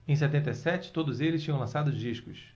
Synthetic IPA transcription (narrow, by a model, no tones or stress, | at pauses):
ẽj̃sɛt̪ẽnt̪ejsɛt͡ʃɪ̥t̪od̪ʊzelɪst͡ʃĩɲɐ̃w̃lɐ̃sad̪ʊzd͡ʒiʃkʊs